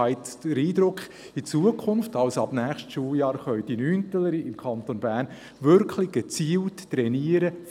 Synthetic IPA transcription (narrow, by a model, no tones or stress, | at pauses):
aɪtd̥əɾiːd̪ɾʊkχ | ɪt͡suəkʰʊnftɑlsɑbnæːχʃtʃuːljɑːɾχœʏdinyːntələɾiɪmkʰɑnt̪onbæːɾn | ʋʏɾkʰχlɪɡ̥ət͡siːltːɾɛniːəɾə